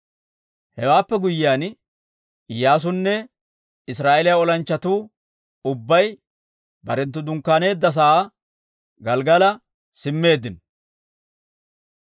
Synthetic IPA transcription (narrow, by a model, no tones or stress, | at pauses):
hɛwaːpːɛɡʊjɪjaːn | jaːs̬ʊnːɛ | ɪsɾaːʔelɪjaɔlɐnt͡ʃːɐt̪uː | ʊbːɐj | bɐɾɛnt̪̬ːʊd̪ʊŋkːaːne̞ːd̪ːɐs̬aː | ɡɐlɡɐlɐ | sɪmːe̞ːd̪ːɪn